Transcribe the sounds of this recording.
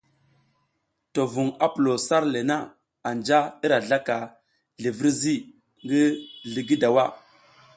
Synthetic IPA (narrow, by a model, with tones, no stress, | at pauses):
to˨vu˨ŋa˦pu˨lo˨sa˦ɾle˨na˦ | a˨nd͡ʒa˦i˦ɾa˨ɮa˦ka˨ | ɮi˨vi˦ɾzi˦ | ŋɡi˦ɮi˨ɡi˦da˨wa˦˨